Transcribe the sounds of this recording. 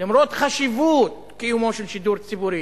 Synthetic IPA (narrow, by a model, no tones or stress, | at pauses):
limɾot̪χaʃivut̪̚ | kijumoʃelʃid̪uɾt͡sibuɾi